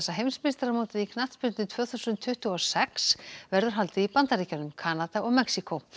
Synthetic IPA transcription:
ɛsːaɦejmnspɪst̪aɾamowt̪ɪðikʰnaht̪spʏn̥t̪ɪnt̪ʰvœːθusʏnt̪ʰːʏht̪uɔsɛksvɛɾðʏɾ̥ɦalt̪ɪipant̪aɾiːcanʏmkʰaːnat̪aɔɣmɛksiko

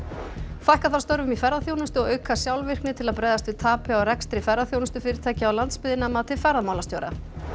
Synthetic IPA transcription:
fajhkaθaɾst̪œɾvʏmifɛɾðaθjoːwnʏst̪ʏɔɣœɥkʰasjawlvɪr̥knɪt̪ʰɪlaðpɾɛːjðast̪vɪðt̪ʰaːpɪaɔwɾɛkst̪ɾɪfɛɾðaθjownʏst̪ʏfɪːɾɪɾ̥t̪ʰɛːcɪawlant̪spɪðɪnamat̪ʰɪfɛɾðamaːwlast̪joːwɾa̰

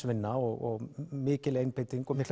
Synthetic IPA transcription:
vɪnːaɔɣɔɣmɪːcɪlejnpejt̪iŋkɔmɪhkl

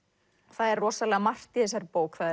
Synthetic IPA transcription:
θaðɛɾrːɔːsalɛɣamar̥t̪iθɛsaɾpoːwkθaðɛ

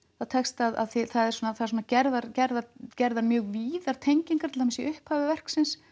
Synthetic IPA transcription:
θaðt̪ʰɛkst̪aða̰ðθɛθaðɛɾ̥sɔnaθasɔːnacɛɾðaɾcɛɾðacɛɾðaɾmjœːɣviːðaɾ̥t̪ʰejɲciŋkat̪ʰɪlamasiʔʏhphaːvɪvɛr̥ksɪns

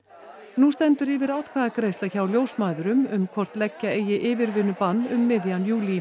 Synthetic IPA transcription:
nust̪ɛnt̪ʏɾɪːvɪɾaːwt̪kʰvaːðakɾejst̪açawljoːwsmaːðʏɾʏmʏmkʰvɔr̥t̪lɛcːaeːjɪʔɪːvɪɾvɪːnːʏpanːʏmːɪðjanjuːli

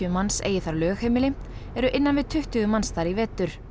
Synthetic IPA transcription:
mansḛːjɪθaɾlœːxhejmɪlɪ | ɛɾʏʔɪnːanvɪðt̪ʰʏht̪ʏɣʏmansθaɾivɛːt̪ʏɾ̥

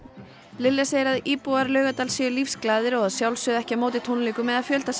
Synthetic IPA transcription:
lɪljaseɾaðiːpuaɾlœːɥɣat̪aːlsjɛʏlifsklaːðɪɾɔɣaðsjawlsʏðɛhcamoːwt̪ɪt̪ʰownliːkʏmɛðaðfjœlt̪as

